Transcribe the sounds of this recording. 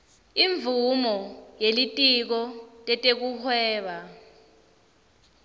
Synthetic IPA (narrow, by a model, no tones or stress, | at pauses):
iɱbvumɔjelitʼik̬ɔtʼɛtʼek̬uhwɛːɓa